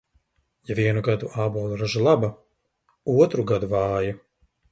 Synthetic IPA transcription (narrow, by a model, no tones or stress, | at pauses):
javiɛnuɡad̪uʔaːbɔːlˠuɾaʒalˠaba | uɔt̪ɾuɡad̪uvɑːja